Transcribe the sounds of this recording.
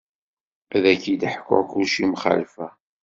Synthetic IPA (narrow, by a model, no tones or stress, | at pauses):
æðækid̪əħko̰kuʃimχa̰lfæ